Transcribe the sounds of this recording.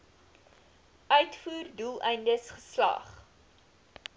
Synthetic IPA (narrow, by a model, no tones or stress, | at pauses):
ʔœɥtfuːrdulˠɛjndəsχə̥slɐ̰χ